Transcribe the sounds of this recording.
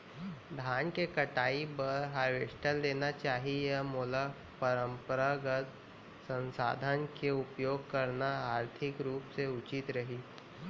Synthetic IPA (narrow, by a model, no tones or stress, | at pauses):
d̪ʱaːnkekɐʈaːibəɾɦaːɾʋeːsʈəlːeːnat͡ʃaːɦiemoːla | pɐɾə̃mpɾaɡət̪ | sə̃nsa̰ːd̪ʱənkeʊpjoːɡ̚kɐɾnaaːɾt̪ʰɪkɾuːpseʊt͡ʃɪt̪ɾɐɦiː